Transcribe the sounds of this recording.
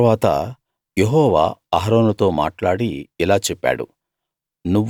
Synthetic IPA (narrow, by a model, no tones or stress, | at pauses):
ʋaːt̪ɐ̰ | jeɦɔːʋa̰ːɦɾoːnut̪o̞ːma̰ːʈlaːɽiilaːt͡ʃɛpːa̰ːɽṵ | nuʋː